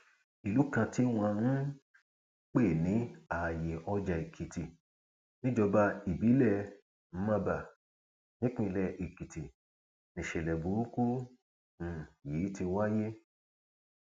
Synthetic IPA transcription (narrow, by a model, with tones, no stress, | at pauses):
i˨lu˨˦kã˧ti˦w̃ã˧nũ˦ | k͡pe˦˨nĩ˨˦a˨je˨ʔɔ˧d͡ʒa˨i˨kʰi˨ti˨ | nĩ˦d͡ʒɔ˧ba˧i˨bi˨˦lɛ˦˨ | m̩˨˦mã˧ba˨ | nĩ˦k͡pĩ˦˧˨lɛ˦˨ʔi˨ki˨ti˨ | nĩ˨ʃɛ˨lɛ˨bu˨˦ɾu˦ku˦ | ũ˨jiː˨˦ti˧wa˦je˦